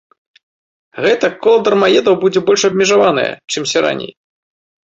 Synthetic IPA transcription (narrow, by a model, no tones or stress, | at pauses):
ɣɛt̪ɐkɔlˠɐd̪ɐrmajɛd̪ɐwbud͡zʲɛbɔlʲʂɐbʲmʲɛʐavanɐ̰jɐ̰t͡ʂɨmsʲaɾa̰nʲḛj